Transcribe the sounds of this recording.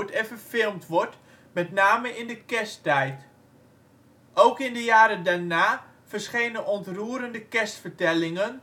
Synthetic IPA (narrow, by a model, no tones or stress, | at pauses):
tɛnvərfɪlˠmtʋɔɹt | mɛtnaːməʔɪndəkɛstɛjt | ʔowkɪndəjaːɾədaɹnaː | v̥əɹsχejnənɔntruːɾəndəkɛstfəɹtɛlɪŋən